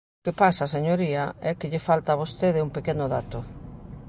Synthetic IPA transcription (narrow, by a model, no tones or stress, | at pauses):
kepasaseɲoɾiaɛkɪʎɪfalt̪aβost̪eðɪumpekenʊðat̪o